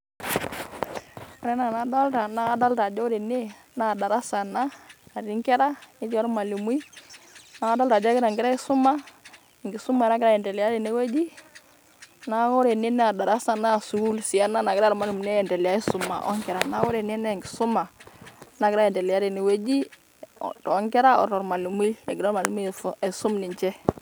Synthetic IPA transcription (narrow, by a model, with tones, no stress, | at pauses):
ɔ˦ɾɛ˦na˨na˨da˦lta˨na˦a˦da˦lta˨d͡ʒɔ˦ɾe˨ne˦ | na˦˨da˨ɾa˦sa˨naː˦˨ɾi˦ŋkɛ˦ɾa˦i˦t͡ʃɔ˦ɾma˨lu˨m˦i˦ | na˨a˦da˦lta˨d͡ʒɔ˦kɾa˨ŋɡɪ˦ɾa˦ɪ˦sʊ˦ma˦ | ɪ˨ŋɡɪ˨sʊ˦ma˨˦na˦kɪɾa˦jɛ˨ndɛ˨lɪ˨a˦ɾe˨ne˨˦we˦d͡ʒi˦ | na˦kɔ˦ɾe˨ni˦nɛ˦a˨da˨ɾa˦sa˨na˦˨su˨ɡu˦lsi˨a˦na˦na˨kɪɾa˦ɾma˨lu˨m˨nɛ˦ɛ˨ndɛ˨lja˦i˦su˨ma̰˨ʔɔ̰˦ŋkɛ˨ɾa˨na˨˦kɔ˦ɾe˨ni˦nɛ˦˨ŋɡi˨su˦ma˨˦na˦kɪ˦ɾa˦ɛ˨ndɛ˨lɪ˨ja˦ɾi˨ne˨we˦d͡ʒi˦ | tɔ˨˦ŋkɛ˦ɾa˦ɔ̰˨ɾɔ˨ɾma˨lu˨mi˦e˨ɡɪ˨ɾɔ˦ma˨lu˦mi˦˨e˨su˦mni˨ɲt͡ʃɛ˦